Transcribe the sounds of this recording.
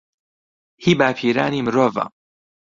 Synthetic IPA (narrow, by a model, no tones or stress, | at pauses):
hibaːpʰiːɾa̰ːnimɾova̰